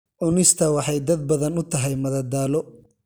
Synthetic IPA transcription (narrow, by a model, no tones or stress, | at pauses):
ʔʊnɪst̪ʰɐwɑħɑjd̪ɐd̪̚bɐðɐnʊt̪ʰɐɦɛjmɐðɐd̪aːlɔ